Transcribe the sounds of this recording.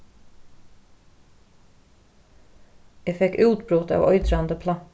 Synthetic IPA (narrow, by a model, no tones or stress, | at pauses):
æfɛkʉːʉt̪bɾuːt̪ʰɑ̰ːʋʔœʏd̪ɾɑnd̪əpʰlɑ